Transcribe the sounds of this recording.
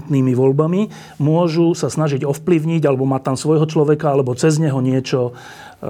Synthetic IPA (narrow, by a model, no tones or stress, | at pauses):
t̪niːmiʋɔlbami | mʊɔʒusasnaʒiɟɔfpliʊɲiɟalɛbɔmat̪ːamsʋɔjɦɔt͡ʃlɔʋɛkaalɛbɔt͡sɛzɲɛɦɔɲɪɛt͡ʃɔ